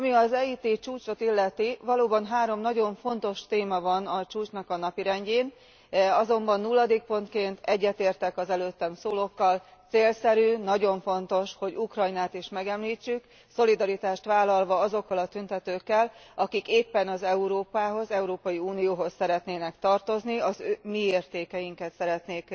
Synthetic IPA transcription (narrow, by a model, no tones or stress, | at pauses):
ɒmiɒzɛːiːt̪eːt͡ʃuːt͡ʃo̞t̪ilːɛt̪ivɒloːbɒnɦaːɾo̞mnɒɟo̞ɱfo̞nt̪o̞ʃt̪eːmɒvɒnɒt͡ʃuːt͡ʃnɒkɒnɒpiɾɛɲɟeːn | ɒzo̞mbɒnːulːɒd̪eːk̚po̞nt̪keːnt̪ʰɛɟːɛt̪eːrt̪ɛkɒzɛløːt̪ːɛmsoːlo̞kːɒlt̪seːlsɛɾyːnɒɟo̞ɱfo̞nt̪o̞ʃho̞ɟukrɒjnaːt̪iʃmɛɡɛmliːt͡ʃːyk | so̞lid̪ɒɾit̪aːʃt̪ʋaːlːɒlvɒɒzo̞kːɒlɒt̪ynt̪ɛt̪øːkːɛlɒkikeːpːɛnɒzɛuɾoːpaːɦo̞zɛuɾoːpɒjiuːnijoːɦo̞sːɛɾɛt̪neːnɛkt̪ɒrt̪o̞zniɒzømieːrt̪eːkɛjiŋkɛt̪sɛɾɛt̪neːk